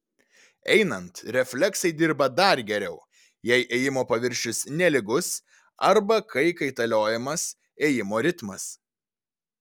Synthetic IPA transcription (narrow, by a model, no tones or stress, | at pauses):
ɛɪnɐnt̪ɾʲɛfʲlʲɛksɐɪd̪ʲɪɾbɐd̪ɐɾɡʲɛɾʲɛʊ | jɛɪʔeːjɪmoːpɐʋʲɪɾʲʃʲʊsnʲɛlʲɪɡʊs | ɐɾbɐkɐɪkɐɪt̪ɐlʲoːjɛmɐs | eːjɪmoːɾʲɪt̪mɐs